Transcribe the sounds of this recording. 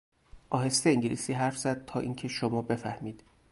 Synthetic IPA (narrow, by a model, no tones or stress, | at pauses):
ʔɒːhe̞st̪eiŋɟilḭsiːɦæɾfz̥æd̪̚t̪ʰɒːʔiːŋcʰe̞ʃomɒːbe̞fæhmiːd̪̥